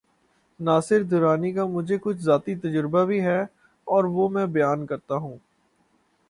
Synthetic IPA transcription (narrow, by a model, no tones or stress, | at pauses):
naːsɪɾd̪ʱʊɾaːnikamʊd͡ʒʱekʊt͡ʃʰzaːt̪it̪ɐd͡ʒəɾbabʱiɦɛ | ɔːɾʋomɛ̃ːbɐjaːnkɐɾt̪aɦũː